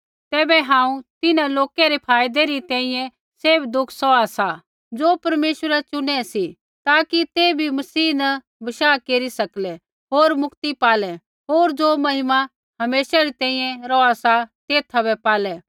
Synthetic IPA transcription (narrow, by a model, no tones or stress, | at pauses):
t̪ɛːbɛɦãːũt̪ɪnãloːkeɾepʰaːjd̪eɾit̪ɛ̃ːĩjɛ̃ | seːbd̪ʊkʰsɔasa | d͡ʒoːpɐɾmeːʃəɾat͡ʃʊnɛ̃si | t̪aːkit̪eːbʱimɐsiːnɐ | bɐʃaːkeːɾisɐklɛ | ɦoːɾmʊkt̪ipaːlɛ | ɦoːɾd͡ʒoːmɐɦɪma | ɦɐmeːsaɾit̪ɛ̃ːĩjɛ̃ɾɔasat̪eːt̪ʰabɛpaːlɛ